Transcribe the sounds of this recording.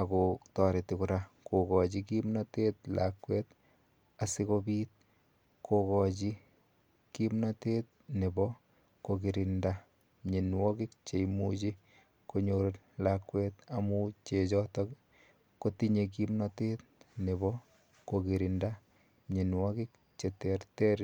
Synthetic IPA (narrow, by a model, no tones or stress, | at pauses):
akotɔɾetikuɾakokɔt͡ʃikimnɔtetla̰kweːt | asikobiːt̪̚ | kʰokɔt͡ʃi | kimnɔtet̚ | nebɔ | koɡiɾinda | ɲenwɔkikt͡ʃejmut͡ʃi | koɲoɾet̚ | lakweːt̪amut͡ʃet͡ʃɔtɔk | kotiɲek̬imnɔtet̚neβɔ | koɡiɾinda | ɲenwɔkik̚ | t͡ʃeteɾteɾ